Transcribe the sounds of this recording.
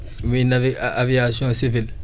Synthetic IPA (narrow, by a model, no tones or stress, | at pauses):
minaviavijasjɔ̃sivil